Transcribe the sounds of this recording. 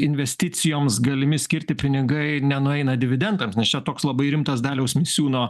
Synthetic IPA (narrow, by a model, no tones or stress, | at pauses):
ɪnʲʋʲɛsʲt̪ʲɪsʲɪjoːmsɡɐlʲɪmʲɪsʲkʲɪɾʲt̪ʲɪpʲɪnʲɪɡɐɪnʲɛnʊɛɪnɐdʲɪʋʲɪd̪ʲɛnt̪ɐmsnʲɛst͡ʃʲɛt̪oːkslˠɐbɐɪɾʲɪmt̪ɐsd̪ɑːlʲɛʊsmʲɪsʲuːnoː